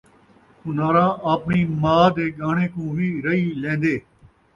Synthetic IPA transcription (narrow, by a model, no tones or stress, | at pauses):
ʊnaːɾãːʔaːpɳiːmaːd̪eːɡaːɳeːkũːʋiːɾəiːlẽːnd̪eː